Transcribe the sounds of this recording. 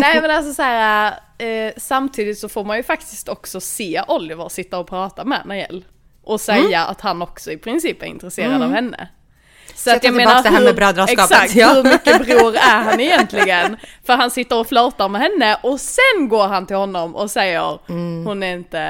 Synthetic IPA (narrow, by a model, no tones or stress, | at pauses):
nɛɪmɛnals̬ɔsæːɾa | samt̪ʰiːd̪ɪt̪sɔfoːɾmanjɵfakt̪ɪst̪ɔksɔseːʔɔlːɪvəɾsɪt̪ːaɔpʰɾɑːt̪amɛ̰næɾjɛ̰lː | ʔɔsɛjːaa̰t̪hanːɔksɔɪpʰɾɪnsiːpæɾɪ̰nt̪ɾɛseːɾɾadd̪ɑvhɛnːə̰ | sɔat̪jɑaɡmeːnaɾhɵbɾɑːd̪ɾɑɛsakt̪hhɵɾmʏkːəbɾuːɾæɾɦanɪjɛnt̪ʰlɪɡənfœɾɦansɪt̪ːəɾɔflɑːt̪aɾmɛɦɛnːəʔɔsɛnɡoːɾɦant̪ɪlhɔnːɔmʔɔ̰sɛjːə̰ɾhʊnæɾɪnt̪ə